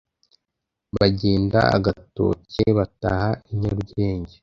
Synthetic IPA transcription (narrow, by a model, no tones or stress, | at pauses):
βaɟeːnda̰a̰ɡato̰ceβata̰haiɲaɾuɡe̞ːɲɟe